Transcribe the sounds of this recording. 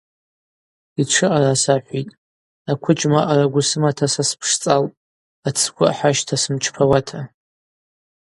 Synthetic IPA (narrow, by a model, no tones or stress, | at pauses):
iʈ͡ʂʰɨʔarasaħʷitʼ | akʷʰʊt͡ʃʼmaʔaraɡʷʊsɨmatʰasaspʰʂt͡sʼaltʼ | at͡sʰkʷʰʼʊħaʃtʰasɨmt͡ʃʰpʰawatʰa